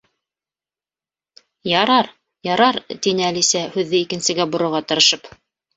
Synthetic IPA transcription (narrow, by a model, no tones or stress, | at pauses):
jɑɾɑɾ | jɑɾɑɾt̪inɘælisæhʉðːɘikɘ̆nsɘ̆ɡæbŏɾŏɾʁɑt̪ɤ̆ɾɤ̆ʃɤp